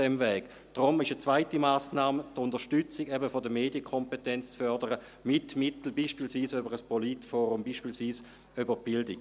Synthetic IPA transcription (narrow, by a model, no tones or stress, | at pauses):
ɛmvɛːɡ | d̥ʁʊmɪʃət͡svaɪtimaːsnaːmtʊndəʁʃtyt͡sɪɡɛbəfodəmeːdjəkʰɔmpetɛnt͡st͡sfœɐdəʁə | mɪtmɪtl̩biːʃpiːlsviːsøbəʁəspolitfɔːʁumbiːʃpiːlsʋiːs | øbəb̥ɪldɪɡ